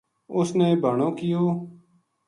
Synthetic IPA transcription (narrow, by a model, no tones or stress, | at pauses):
ʊsneːbʱəɳõːkɪjoː